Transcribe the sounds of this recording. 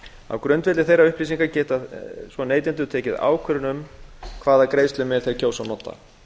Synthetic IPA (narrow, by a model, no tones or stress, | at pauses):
a̰wkɾœɥnt̪vɛt̪ɪθejrːaʏhpɾiːsiŋkacɛːt̪asvɔneːjt̪̬ɪnt̪ʏt̪ʰɛːcɪða̰ːwkʰvœɾnʏmkʰvaːðakɾeːjst̪lʏmɛɾ̥θejɾcʰoːwsawnɔːt̪ːa̰